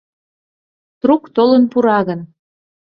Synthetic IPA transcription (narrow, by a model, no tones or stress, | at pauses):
t̪ɾukt̪olənpuɾɑɣən